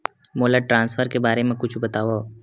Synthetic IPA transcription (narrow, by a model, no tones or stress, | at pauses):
moːlaʈɾãːnsfʰəɾkebaːɾemẽkʊt͡ʃʰbɐt̪aːʋo